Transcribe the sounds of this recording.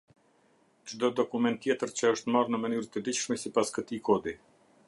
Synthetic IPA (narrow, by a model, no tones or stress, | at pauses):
d͡ʒd̪ɔd̪ɔkumɛnt̪ːjɛt̪əɾt͡ɕəəʃt̪marnəmənyɾt̪əd̪it͡ɕʃmɛsipaskət̪ikʰɔd̪i